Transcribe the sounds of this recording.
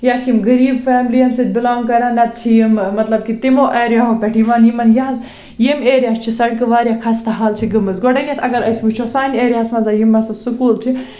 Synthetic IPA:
jaːst͡ʃʰimɡɐɾiːbfaːmlijɐnsit̪̚bilaːŋkɐɾãːnlɐt̪̚t͡ʃʰijimmɐt̪lɐb̚kit̪imoːʔeːɾjaɦõpʲeʈʰiʋaːnjimɐnjaːz | jemeːɾʲjaːst͡ʃʰisɐɽkɨʋaːɾjakʰaːst̪ɐɦaːlt͡ʃʰiɡɐmɨzɡoɽɐnʲet̪ʰɐɡɐɾɐsbut͡ʃʰosaːneːɾjaːsmɐzajimːasɐsukuːlt͡ʃʰi

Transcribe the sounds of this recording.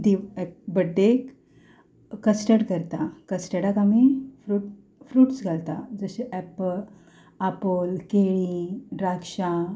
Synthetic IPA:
d̪ibəɖːek | əsʈəɽkəɾt̪akəsʈəɽakamifɾuːʈ | fɾuːʈsɡʱalt̪ad͡zəɕeʔɛp | apolkeɭiɾakʂa

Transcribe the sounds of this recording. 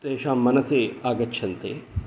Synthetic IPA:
t̪eːʃaːmːɐnɐseːaːɡɐtːʃʰɐnt̪eː

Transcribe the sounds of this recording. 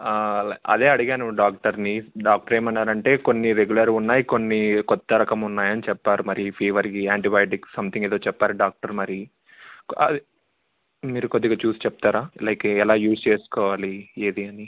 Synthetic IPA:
ɐ̰d̪e̞ːɐɽiɡaːnuɖaːk̚ʈɐɾniɖaːk̚ʈɐɾeːmɐnːaːɾɐɳʈe̞ːkonːiɾeɡulɐɾunːaːjiko̞nːikɔt̪ːɐɾɐkɐmunːaːjɐnit͡ʃɛpːaːɾumɐɾipʰiːʋɐɾikiaːɳʈibaːjʈiksɐmt̪ʰiŋeːd̪o̞ːt͡ʃɛpːaːɾiɖaːk̚ʈɐɾmɐɾi | kɐ̰ | miːɾukod̪ːiɡaːt͡ʃuːsi̥t͡ʃɛp̚t̪aːɾaːlɐjkɛlaːjuːst͡ʃeːsu̥kɔːʋaːlieːd̪iɐni

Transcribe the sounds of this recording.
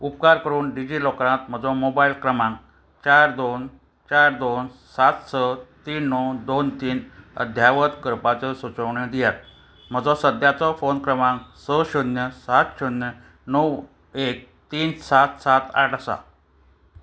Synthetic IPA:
up̚kaɾkəɾuːnɖid͡ʑilɔkɾãt̪m̤əd͡zɔmobailkɾəmãŋk | t͡ɕaɾd̪on | t͡ɕaɾd̪onsat̪sət̪iːnnɔwd̪ont̪iːnə̰d̪ʱjaʋət̪kəɾpat͡səsut͡səwɳəd̪ijat̪ | m̤əd͡zɔsəd̪ʱjat͡sɔfonkɾəmãŋksəɕunjəsat̪ɕunjə | nəw | ek̚ | t̪iːnsat̪sat̪a̰ʈʰəsa̰

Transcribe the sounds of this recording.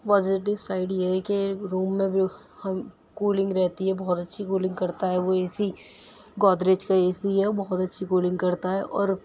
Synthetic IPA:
pɔːd͡ʒɪʈ̬ɪʋsaːɪɖjeɦɛkeɾuːmːẽbʱ | hɐm | kuːlɪ̃ŋɡɾɛɦt̪iɦɛbɔɦɔt̪ɐtːʃʰikuːlɪ̃ŋɡkɐɾt̪aɦɛʋoeːsi | ɡɔːd̪ɾeːd͡ʒkaeːsiɦɛbɐɦɔt̪ɐtːʃʰikoːlɪ̃ŋɡkɐɾt̪aɦɛʔɔːɾ

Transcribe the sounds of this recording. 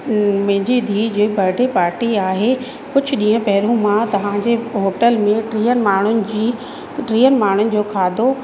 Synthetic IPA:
mɐ̃ɦɪ̃ɲd͡ʑid̪ʱiːd͡ʑoːbʱɐɾɖʱepaːɾʈiaːɦe | kʊd͡ʑʱʊ̆ɗĩːə̃pɐɦɪɾũmãt̪ɐʋ̤ãd͡ʑeɦoːʈəlmẽʈɾiːənmaːɳ̤ʊnɪ̆d͡ʑiː | ʈɾiːənmaːɳ̤ʊnɪ̆d͡ʑoːkʰaːd̪ʱo

